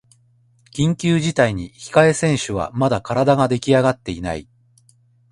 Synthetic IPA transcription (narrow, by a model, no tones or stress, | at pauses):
kʲĩŋkʲɨːʑit̪aiɲ̟içi̥kae̞sẽ̞ɰ̃ɕɨβa̰mad̪akaɾad̪aɡad̪e̞kʲiaɡat̪ːe̞ina̰ḭ